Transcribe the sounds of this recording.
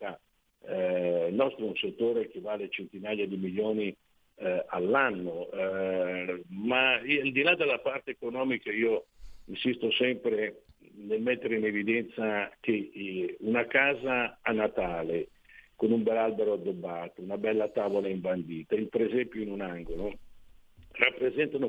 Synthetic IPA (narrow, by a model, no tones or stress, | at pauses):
t̪a | nɔst̪ɾounset̪ːoːɾek̟evːaːlet͡ʃent̪inaːjad̪imiljoːni | alːanːo | maald̪ilad̪elːapart̪eːkonɔːmikaiːoinsist̪osɛmpɾe | nelmet̪ːeɾeinevid̪ɛnt̪sak̟eunakaːzaːnːat̪aːle | konumbɛlːalbeɾoad̪ːobːaːt̪ounabɛlːat̪aːvolaiɱband̪iːt̪aimpɾezɛmpjoinunaŋɡolo | rapːɾezɛnt̪ano